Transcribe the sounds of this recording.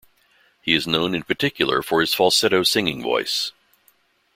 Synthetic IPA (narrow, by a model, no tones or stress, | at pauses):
hiɨznõʊ̃nɨ̃npʰə˞tʰɪkʰjl̩ˠə̰˞fə˞ɨz̥fɔlˠsɛɾoʊsɪ̃ŋɪ̃ŋvɔ̰ɪs